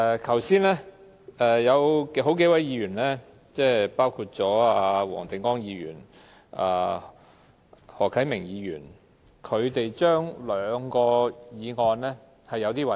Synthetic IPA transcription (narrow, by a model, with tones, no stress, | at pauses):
kʰɐ˨˩wsiː˥nɛː˥ | ɛ˨˧jɐ˨˧wkɦo˨˥wk̬e˨˥jwɐ˨˥jiː˨˧ɥyː˨˩nlɛː˥ | t͡sɛː˥˩paː˥wkʰuː˧t̚t͡sɔː˨˥aː˧wɔ̰ː˨˩ŋt̪ɪ˨ŋkɔː˥ŋjiː˨˧ɥy̰ː˨˩n | a̰ː˨˩ | hɔː˨˩kʰɐ˨˥jmɪ˨˩ŋjiː˨˧jyː˨˩n | kʰɵ˨˧ɥt̪e˨jt͡ʃœː˥ŋlœː˨˧ŋkɔː˧jiː˨˧ŋɔː˧nlɛː˥ | hɐ˨jɐ˨˧wt̪iː˥wɐ˨˧